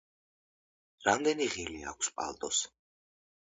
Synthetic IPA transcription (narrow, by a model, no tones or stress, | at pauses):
ɾamd̪ɛniʁilia̰kʷʰspʼa̰lˠt̪ʼɔs